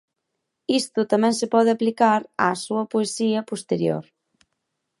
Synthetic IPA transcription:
ist̪ʊt̪amɛ̃ŋsepɔð̞ɪaplikaɾa̰suɐpoesiɐpost̪eɾjo̰ɾ

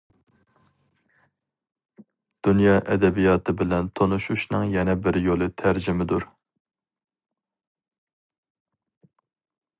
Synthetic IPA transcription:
d̪̥unjɑːʔɛd̪ɛbijɑt̪ʰɨbɪlɛnt̪ʰonuʃuʃnɨŋjɛnɛbɪɾjolˠɨt̪ʰæɾd͡ʒɪmɪd̪uɾ

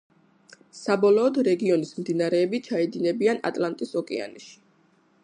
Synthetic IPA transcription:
sabɔlˠɔːd̪ɾɛɡiɔnismd̪inaɾɛːbit͡ʃʰaid̪ilɛbiana̰t̪ʼlˠant̪ʼisɔkʼɛa̰niʃi̥

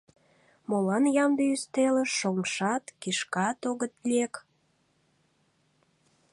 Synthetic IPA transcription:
molɑnjɑmb̪iyst̪elə̆ʃomʃɑt̪kiʃkɑt̪oɣət̪lʲiek

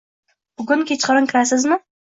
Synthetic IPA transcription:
b̥ʊɡʊnŋkʲʰet͡ʃqɨɾɪnkʰʲɪɾasɪzmɪ

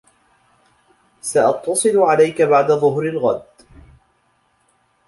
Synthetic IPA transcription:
saʔɑt̪ːɑsˤɨlʊʕalajkabaʕd̪aðˤʊɦɾɪlɣad̪

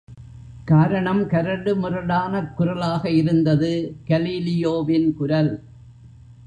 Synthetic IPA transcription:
kaːɾɐɳɐmkɐɾɐɽɯmʊrɐɽaːnɐkːʊɾɐlaːɣɐɪɾɯnd̪ɐðɯkɐliːlɪjoːʋɪnkʊɾɐl

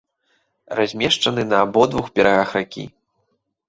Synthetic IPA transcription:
razʲmʲɛʂt͡ʂɐnɨnɐːbɔd̪vuxbʲɛɾaɣaxɾakʲḭ

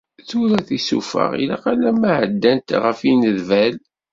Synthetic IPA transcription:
θʊɾæθisṵfə̰ʁḭlaqalæmaʕəd̪ːænt̪ʁəfinəðvæl

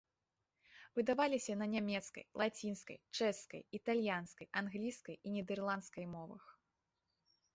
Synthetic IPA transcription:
vɨd̪avalʲisʲɐnɐnʲamʲɛt̪skɐ̰jlˠat͡sʲinskɐ̰jt͡ʂɛskɐ̰jit̪alʲjanskɐjanɣlʲiskɐjinʲɛd̪ɛrlˠant̪skɐjmɔvɐ̰x

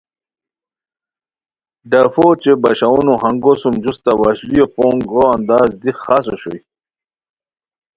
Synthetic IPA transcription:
ɖɐfot͡ɕebɐɕaunuɦɐŋɡosumd͡ʑust̪awaɕlijopoŋɡɾoɐnd̪aːzd̪ixasoɕo̰j

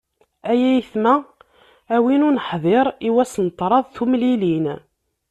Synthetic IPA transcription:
æjæjiθmæː | winunəħðˤeɾˤiwæsnt̪ˤːɾˤɑðˤθumlilin

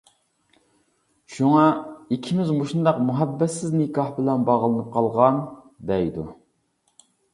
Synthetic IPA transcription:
ʃuŋɑikʲʰimɪzmoʃund̪ɑqmuɦɛbːɛt̪sɪznɪkʰɑhbɪlɛnbɑʁlˠɨnɨp̚qʰɑlˠʁɑn | d̪ɛjd̪u

